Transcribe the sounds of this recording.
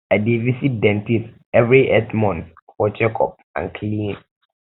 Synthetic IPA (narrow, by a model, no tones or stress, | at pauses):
ɛdievisit̚dɛ̃ntʰis | ɛvɾiʔɛtmɔ̃n | fɔd͡ʑɛkʰɔ̰p̚ã̰kʰlĩːn